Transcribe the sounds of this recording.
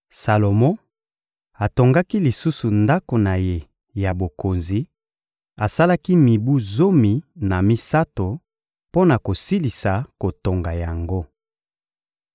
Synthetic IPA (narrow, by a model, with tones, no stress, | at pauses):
sa˨lo˨mɔ̃˦ | a˨to˨ŋɡa˦ki˦li˨su˦su˨nda˦ko˨na˨je˨ | ja˨bo˨ko˨nzi˨ | a˨sa˦la˦ki˦mi˨bu˦zo˦mi˨na˨mi˦sa˦to˨ | po˦na˨ko˨si˦li˨sa˨ko˨to˨ŋɡa˨ja˨ŋɡo˦